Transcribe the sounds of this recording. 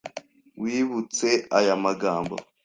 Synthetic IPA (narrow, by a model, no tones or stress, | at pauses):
wiːβut͡se̞ajamaɡaːmbo̰